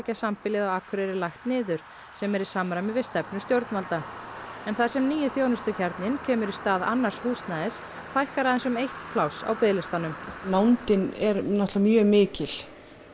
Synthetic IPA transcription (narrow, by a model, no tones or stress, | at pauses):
casampɪlɪðawaːkʰʏɾɛɾɪlajxt̪nɪːðʏɾ̥ | sɛmɛɾisamɾamɪvɪst̪ɛpnʏst̪jowɾt̪nmalt̪aɛnθḁsɛmniːjɪθjownʏst̪ʏcʰɛɾt̪nɪncʰɛːmʏɾi̥st̪aːða̰nːaɾ̥shuːsnaðɪs | fajhkaɾaðɛnsʏmejht̪kʰlawsa̰wpɪːlɪst̪anʏmnawnt̪ɪnɛɾnɔht̪lamjœːmɪːcɪl̥